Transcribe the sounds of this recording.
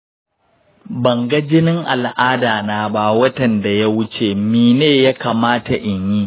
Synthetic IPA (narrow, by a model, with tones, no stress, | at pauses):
bɐ˨ŋɡɐ˦d͡ʒɪ˦nɪ˦ŋʔa̰˨lʔaː˦daː˨naː˦˨ba˦wɐ˦tɐ˨nda˨ja˦wʊ˦t͡ʃeː˨miː˨neː˦˨ja˦kaː˨maː˦ta˨ʔɪ˨ɲjiː˦